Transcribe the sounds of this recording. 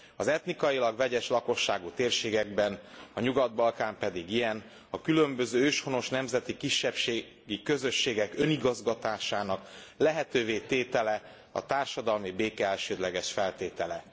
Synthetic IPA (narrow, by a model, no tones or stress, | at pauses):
ɒzɛt̪nikɒjilɒɡvɛɟɛʃlɒko̞ʃːaːɡut̪eːrʃeːɡɛɡ̚bɛnɒɲuɡɒd̪̚bɒlkaːmpɛd̪iɡijɛn | ɒkylø̞mbøzøːøːʃho̞no̞ʃnɛmzɛt̪ikiʃːɛpʃeː | ɡikø̞zø̞ʃːeːɡɛkø̞niɡɒzɡɒt̪aːʃaːnɒklɛɦɛt̪øːveːt̪eːt̪ɛlɛ | ɒ̰t̪aːrʃɒd̪ɒlmibeːkɛɛlʃøːd̪lɛɡɛʃfɛlt̪eːt̪ɛlɛ